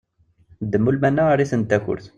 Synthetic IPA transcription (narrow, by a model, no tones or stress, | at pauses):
d̪əmːulmænːæɾiθənt̪æçʊ̰ɾθ